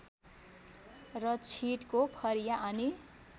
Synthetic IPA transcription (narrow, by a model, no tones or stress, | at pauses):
rʌt͡sʰiʈkopʰʌɾijaʔʌni